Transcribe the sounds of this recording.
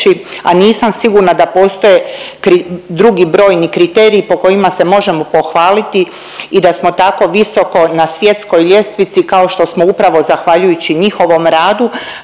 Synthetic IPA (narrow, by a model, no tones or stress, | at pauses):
ia̰niːsamsiɡuɾnad̪apo̞ːst̪o̞jekɾid̪ɾuɡibɾo̞ːjnikɾit̪e̞ːɾiːpo̞ko̞jimase̞mo̞ʒe̞mo̞po̞xʋaːlit̪i | id̪asmo̞t̪ako̞ʋiso̞ko̞nasʋje̞t̪sko̞jʎe̞st̪ʋit̪sikao̞ʃt̪o̞smoupɾaʋo̞zaxʋaʎujut͡ɕiɲixo̞ʋo̞mɾaːd̪u